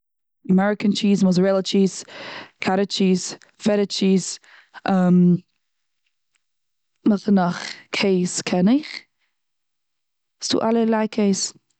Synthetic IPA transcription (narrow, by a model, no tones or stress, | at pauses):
əmɛɹɪkənt͡ʃʰiːzmɔzəɹɛlˠət͡ʃiːz̥kʰaɾət͡ʃiːz | fɛɾət͡ʃiːz̥ | ʔəm | məxənaχkʰeːskʰɛnɪχ | stṵːʔaləlajkʰeɪs